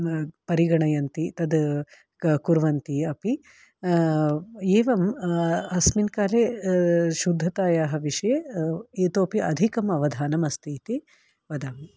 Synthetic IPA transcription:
pɐɾiɡɐɳɐjɐnt̪it̪ɐd̪ | kuɾʋɐnt̪iɐpi | eːʋɐmɐsminkaːleːʃud̪ʱːɐt̪aːjaːɦɐ̆ʋiʂɐjeeːt̪oːpiʔɐd̪ʱikɐmɐʋɐd̪ʱaːnɐmɐst̪ʰiːt̪i | ʋɐd̪aːm

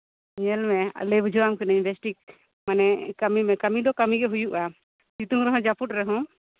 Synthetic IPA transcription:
ɲɛlmɛa̰lɛbud͡ʒʱɔwamkɛnaɲbɛsʈik̚ | manɛkamimɛkamid̪ɔkamiɡɛɦujuʔa | t͡ʃit̪uŋɾɛɦɔ̃d͡ʒaput̚ɾɛɦɔ̃

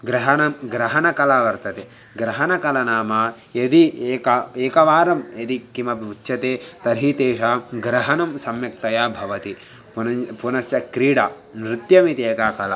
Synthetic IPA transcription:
ɡɾɐɦɐnɐmɡɾɐɦɐnɐkɐlaːʋɐɾt̪ɐt̪e | ɡɾɐɦɐnɐkɐlɐnaːmaː | jɐd̪ieːkɐeːkɐʋaːɾɐmjɐd̪ikimɐbutːʃɐt̪eːt̪ɐɾɦit̪eːʂaːɡɾɐɦɐnɐmsɐmjɐk̚t̪ɐjaːbʱɐʋɐt̪i | pnɐpunɐsjɐkɾiːɽa | nɾit̪jɐmit̪eːkaːkɐla

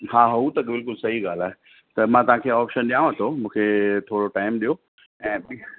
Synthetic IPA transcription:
haːɦut̪ɐkbɪlkʊlsɐɦiɠaːl̤aːɦe | t̪ɐmãt̪ɐʋ̤ãkʰeːɔːpʃənɗijãːɐt̪ʰomũːkʰet̪ʰoːɽoʈaːɪmɗijo | ɛ̃ːɓi

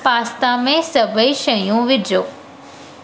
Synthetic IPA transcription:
paːst̪amẽsɐbəiʃɐjũʋɪdʱjoː

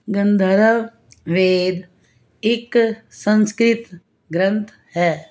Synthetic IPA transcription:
ɡə̃nd̪ʱəɾə | ʋeːd̪ | ɪksə̃nskɾɪt̪ | ɡɾə̃nt̪ʰ | ɦɛː

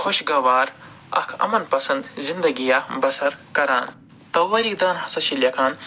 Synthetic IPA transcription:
xʰoʃɡɐʋaːɾ | ɐ̰kʰɐ̰mɐnpɐsɐnd̪zind̪ɐɡijabɐsɐɾkɐɾaːn | t̪ɐwɐɾik̚d̪aːnɦɐsɐʃiljɐkʰaːn

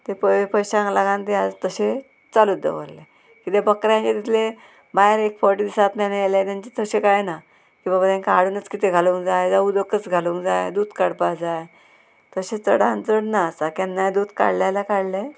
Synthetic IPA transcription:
t̪epəpəjɕaãŋɡlaɡãnt̪ead͡zt̪əɕe | t͡salud̪ḛʋə̰ɾle | kit̪ebəkɾjãɲt͡ɕet̪it̪ʰile | bajɾekfɔɾʈid̪isat̪nanlẽt̪ãɲt͡ɕet̪əɕekajna | kĩʋabat̪ãnkaaɽunət͡skit̪eɡʱaluːŋkd͡zajd͡zaud̪əkət͡sɡʱaluːkd͡zajd̪uːd̪kaɽpad͡zaj | t̪əɕet͡səɽãnd͡zəɽnaːsakanːajd̪uːd̪ka̰ɽljalakaɽla

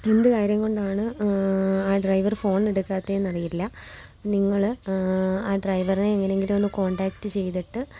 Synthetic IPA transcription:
e̞nd̪ɨkaːɾjɐŋko̞ɳɖaːɳɨ | aːɖrɐjʋɐrfo̞ːneɽukːaːt̪ːenːɐrijilːɐniŋːɐɭ | aːɖrɐjʋɐrine̞ːŋːɐneeŋɡilmo̞nːɨko̞ːɳɖaːk̚tːɨt͡ɕe̞jt̪iʈːɨ

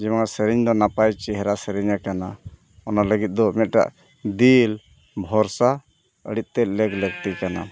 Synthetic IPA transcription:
d͡ʒɛmasəɾiɲd̪ɔnapajt͡ʃɛɦɛɾasəɾiɲakana | ɔnaləɡit̪̚d̪ɔmɛt̪̚ˀʈa̰ʔ | d̪il | bʱɔɾsa | ə̰ɽit̪̚ˀt̪ɛt̪̚lɛɡlɛɡt̪ikana̰

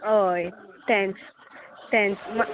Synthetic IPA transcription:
ojt̪ɛ̃ns | t̪ɛ̃nsma

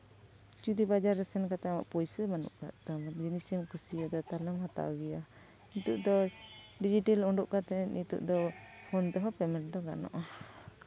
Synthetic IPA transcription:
t͡ʃud̪ibad͡ʒaɾːɛsɛnkat̪ɛama̰ʔpɔjsəmanṵʔka̰ʔt̪ːmaɡinisimkusiad̪ɔt̪aləmhat̪a̰wɡija | nit̪uʔd̪ɔ | ɖid͡ʒiʈɛlɔɳɖuʔkat̪ɛnit̪ṵʔd̪ɔhɔnt̪ɛɦɔpɛmɛnd̪ɔɡa̰nɔ̰ʔa

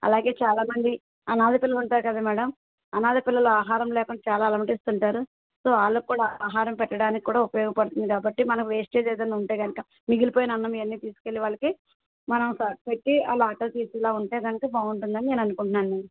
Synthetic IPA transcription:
ɐ̰laːɡe̞ːt͡ʃaːlaːmɐnd̪i | ɐnaːd̪ipilːɐluɳʈaːɾukɐd̪aːmɛːɽɐm | ɐnaːd̪ipilːɐluaːɦaːɾɐmlɛːkɐɳːɖɐt͡ʃaːlaːlɐmʈist̪uɳʈaːɾu | so̞ːaːɭːoːkːuːɽaːaːɦaːɾɐmpɛʈːɐɽaːnikikːuːɽaːupɐjɔːɡɐpɐɽut̪und̪ikaːbɐʈːimɐnɐkuʋeːsʈeːd͡ʒ̪eːd̪ɐnːuɳʈeːɡɐnɐka | miɡilipoːjinɐɐnːɐmiʋɐnːiːt̪iːsu̥kelːiʋaːɭːɐki | mɐnɐmsaːʈ̚peʈːiaːlaːʈːɐlt̪iːsilaːuɳʈeːɡɐnɐkɐbaːuɳʈund̪ɐnine̞ːnɐnukuɳʈunːaːnmɛːɐm

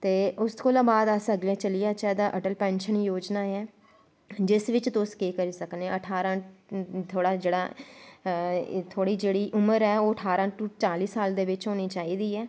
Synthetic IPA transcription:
t̪eːʔʊskoːlãːbaːd̪əsəɡlẽːt͡ʃəlijaːt͡ʃɛːd̪aːʔəʈəlpɛ̃ːnʃənjoːd͡ʒnaːɛː | d͡ʒɪsʋɪt͡ʃt̪ʊskeːkəɾiːsəknːəʈʰaːɾãːt̪ʰoːɽaːd͡ʒeːɽaː | t̪ʰoːɽiːd͡ʒeːɽiːʔʊməɾɛːoːəʈʰaːɾãːʈut͡ʃaːliːsaːld̪eːʋɪt͡ʃɦoːniːt͡ʃaːiːd̪iːɛː

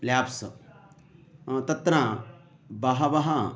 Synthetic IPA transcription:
ljaːpsɐ | t̪ɐt̪ːɾaː | bɐɦɐbɐɦɐ

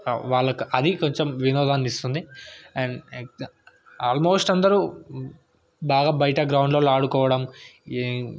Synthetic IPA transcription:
ʋaːɭːɐkuʔɐd̪iko̞ɲt͡ʃemʋinɔːd̪ʱaːnist̪und̪iɛɳ | aːlmo̞ːsʈɐnd̪ɐɾuː | baːɡaːbɐjɐʈɐɡɾɐwɳɖlo̞ːlaːɽukɔːʋɐɽɐm

